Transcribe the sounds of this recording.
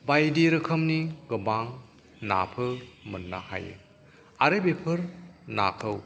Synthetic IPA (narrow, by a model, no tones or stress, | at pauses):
bajdiɾɯkʰɐmniɡɯbaŋ | na̰pʰɯmɯnːa̰ha̰jɯ̰ | aɾɯbepʰɯɾna̰kʰɯw